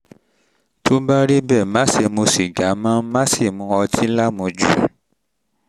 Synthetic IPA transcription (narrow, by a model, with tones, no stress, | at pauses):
tʰo˨˦ba˦ɾi˦bɛ˦˨mã˨˦se˧˨mõ˧si˨ɡa˨˦mã˦mã˦si˦˨mũ˧ɔ˧tʰi˦la˦mũ˧d͡ʒu˦˨